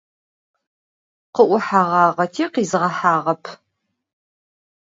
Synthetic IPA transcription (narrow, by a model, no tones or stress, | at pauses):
qəʔʷʊħaːʁɑːʁɐtʰiːqiːzɨʁɐħaːʁɐpʰ